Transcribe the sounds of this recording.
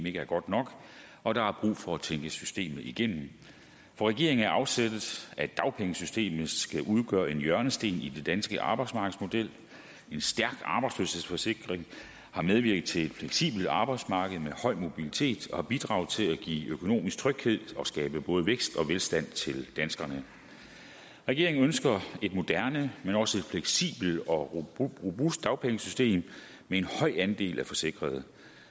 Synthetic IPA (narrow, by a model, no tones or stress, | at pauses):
me̝ɡ̥əæɐɡ̥ɒ̽d̥nɒ̽ɡ̥ | ɒ̽ɾ̥ɑ̈hɑ̈b̥ʁṵːfɒ̽æt͡sʰeŋɡ̥əsysd̥e̝̰ːmð̩ˠiɡ̥en̰m̩ | fɒ̽ʁɛɡ̥e̝̰ɐ̰eŋn̩æɐʔɑ̈ʊ̥sed̥ð̩ˠæ̥ɑ̈ʊpʰeŋəsysd̥e̝̰ːmð̩ˠsɡ̥æʔuð̞ˠɡ̥œːɐe̝njɶɐnəsd̥e̝̰ːnid̥e̝d̥ænsɡ̥əʔɑ̈ːb̥ɑ̈ɪ̥smɑ̈ɡ̥əð̩ˠsmo̝d̥el̰ | e̝nsd̥æɐɡ̥ɑ̈b̥ɑ̈ɪdslø̰she̝̰sfɒ̽se̝ɡ̥ʁeŋ | hɑ̈með̞ˠʋiɐ̰ɡ̥ð̩ˠt͡sʰe̝led̥fleɡ̥sḭːb̥l̩ɑ̈ːb̥ɑ̈ɪd̥smɑ̈ːɡ̥əð̞̩ˠmehɒ̽ɪ̰mo̝b̥ilit͡sʰe̝̰ːd̥ɒ̽hɑ̈b̥id̥ʁɑ̈ʊð̩ˠt͡sʰe̝læɡ̥ḭːøkʰo̝no̝̰ːmisɡ̥̚t͡sʰʁœɡ̥he̝ð̞̰ˠɒ̽sɡ̥ɛːb̥əb̥ɔ̽ːð̞ˠəʋeɡ̥sd̥ɒ̽ʋelsd̥æn̰t͡sʰe̝ld̥ænsɡ̥ʁɐnə | ʁɛɡ̥e̝ɐ̰eŋn̩ønsɡ̥ɐe̝d̥mo̝d̥æɐnəmenɒ̽səe̝d̥fleɡ̥sḭːb̥l̩ɒ̽ʁobusd̥ːɑ̈ʊpʰeŋəsysd̥e̝̰ːm | meenhɒ̽ɪ̰ænd̥e̝̰ːlʔæfɒ̽se̝ɡ̥ʁɐðˠ